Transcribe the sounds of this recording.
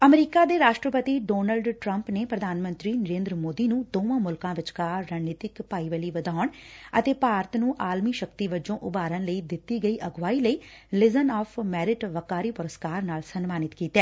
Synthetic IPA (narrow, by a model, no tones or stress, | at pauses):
əmɾiːkaːd̪eːɾaːʃʈɾəpət̪iːɖoːnəlɖʈɾəmpneːpɾəd̪ʱaːnmə̃nt̪ɾiːnəɾeːnd̪ɾəmoːd̪iːnũːd̪õːʋãːmʊlkãːʋɪt͡ʃkaːaːnneːt̪ɪkpaːiːʋəliːʋəd̪aːɳət̪eːpaːɾət̪nũːʔaːlmiːʃəkt̪iːʋəd͡ʒõːʔʊbaːɾənləiːd̪ɪt̪ːiːɡəiːʔəɡʋaːiːləiːlɪzənɔːpʰmɛːɾɪʈʋəkaːɾiːpʊɾəskaːɾnaːlsənmaːnɪt̪kiːt̪ɛː